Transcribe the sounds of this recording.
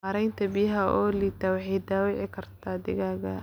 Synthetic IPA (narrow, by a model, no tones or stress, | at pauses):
ɐɾɛjnt̪ʰɐbɪjɦɐʔɔːlit̪ʰaːwɑħɛjd̪aːwɪʕɪkʰɐrt̪ʰaːd̪ɪ̰ɣaːɣɐ